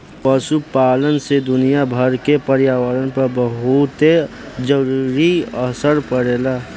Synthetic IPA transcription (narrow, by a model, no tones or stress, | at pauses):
pəsupaːlənsed̪ʊnijabʱəɾkepəɾjaːwəɾənpəɾbəɦut̪e | d͡ʒəɾuɾiəsəɾpəɽeːla